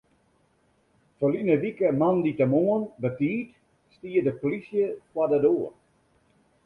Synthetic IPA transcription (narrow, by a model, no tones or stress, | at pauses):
fɔlinəʋikəmanditəmoənbətiːt | stiədəpolisjəkwadədoːər